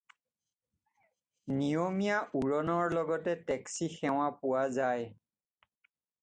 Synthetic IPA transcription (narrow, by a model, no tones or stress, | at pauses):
nijomijaʔuɹɔnɔɹlɔɡɔtɛtɛksixɛw̃apʊwazaj